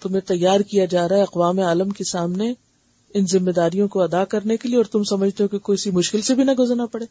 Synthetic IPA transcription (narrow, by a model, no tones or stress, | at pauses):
t̪ʊmẽt̪ɐjːaːɾkijad͡ʒaːɾaɦɛɐqʋaːmeaːləmkesaːmne | ɪnzɪmːed̪aːɾijõkoɐd̪akɐɾnekelieɔːɾt̪ʊmsɐməd͡ʒʱt̪eɦõkekoːiɪsimʊʃkɪlsebʱinɐɡʊzəɾnapɐɽeː